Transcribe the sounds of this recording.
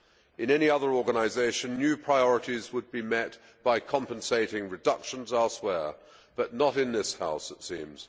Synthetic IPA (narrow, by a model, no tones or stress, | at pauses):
ɨ̃nɛniʌðə˞ɔɹɡənaɪzeɪʃɨ̃nːjʉpʰɹ̥aɪɔɹəɾizwəd̚bimɛt̚ | b̥aɪkʰɑ̃mpə̃nseɪɾɪ̃ŋɹɨdʌkʃə̃nzɛlˠswɛɹ | b̥ʌʔⁿnəɾɨ̃nðɪsha̰ʊsɨtsḭ̃mz̥